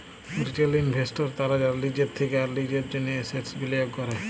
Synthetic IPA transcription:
bɾiʈelinbʱesʈoɾt̪aɾad͡ʑaɾlid͡ʑeɾt̪ʰekeaɾlid͡ʑeɾd͡ʑoneeseʈsbilijokkɔɾe

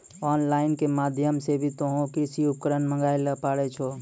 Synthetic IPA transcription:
ɔnlaɪnkemad̪ʱjəmsebʱit̪oɦũkisiup̚kəɾənməŋɡajləpaɽɛt͡ʃʰo

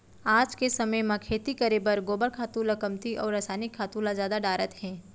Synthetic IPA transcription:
aːd͡ʒkesɐməjmãkʰeːt̪ikɐɾeːbəɾɡoːbəɾkʰaːt̪ũːlɐkəmt̪iʔɔːɾɐsaːnɪkʰːaːt̪ulazjaːd̪aɖaːɾət̪hɛ̃ː

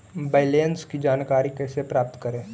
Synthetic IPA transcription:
baːɪleːnskid͡ʒaːnkaːɾikɛːsepɾaːp̚t̪kɐɾẽː

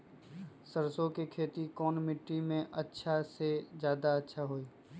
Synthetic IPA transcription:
səɾsõkekʰeːt̪ikɔːnmɪʈːimẽʔɐtːʃʰasezjaːd̪aɐtːʃʰaɦoːiː

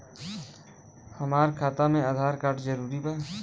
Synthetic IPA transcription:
həmaːɾkʰaːt̪amẽaːd̪ʱaːɾkaːʈzəɾuːɾiba

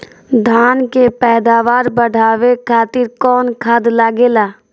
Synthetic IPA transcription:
d̪ʱaːnkepɛːd̪aːʋaːɾbəɖʱaːʋekʰaːt̪ɪɾkɔːnkʰad̪laːɡeːlaː

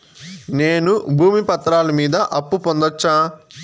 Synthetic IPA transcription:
neːnubʱuːmipɐt̪ɾaːlɐmiːd̪ɐʔɐpːupond̪ɐt͡ʃːaː

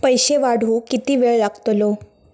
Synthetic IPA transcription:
pəjɕeʋaɽ̤ʱũːkit̪iːʋeɭlaɡt̪lo

